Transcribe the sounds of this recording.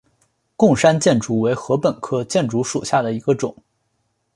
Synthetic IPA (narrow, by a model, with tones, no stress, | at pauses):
kʊ˥˩ŋʂa˥nt͡ɕjɛ˥˩nʈ͡ʂu˧˥we˧˥ɪxɤ˧˥pə˨˩nkʰɤ˥t͡ɕjɛ˥˩nʈ͡ʂu˧˥ʂṵ˨˩ɕja˥˩d̪ə˩i˧˥ɡə˧ʈ͡ʂʊ̰˨˩˦ŋ